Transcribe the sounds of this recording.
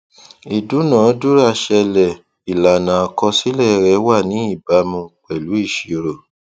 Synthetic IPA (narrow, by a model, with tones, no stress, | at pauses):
i˨du˨˦nãː˨˦du˦ɾa˦˨ʃɛ˧lɛ˨ | i˨la˨nã˨a˧kɔ˧si˦lɛ˦˨˧ɾɛ˨˦wa˦˨nĩ˨˦i˦˨ba˧˦mũ˧k͡pɛ˨lu˨˦i˦˨ʃi˨˦ɾo˨